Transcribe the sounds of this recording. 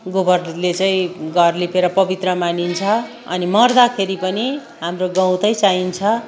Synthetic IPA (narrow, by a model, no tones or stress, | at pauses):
ɡobʌrlet͡saĩɡʌrlipeɾʌpʌbit̪rʌmanint͡sʰʌ | ʌ̰nimʌrd̪akʰeɾipʌni | ɦamroɡʌ̃w̃t̪ʌjt͡saint͡sʰʌ